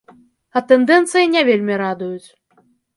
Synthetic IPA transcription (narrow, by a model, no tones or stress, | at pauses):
ɐt̪ɛnd̪ɛnt̪sɨjinʲɛvʲelʲmʲiɾad̪ujut͡sʲ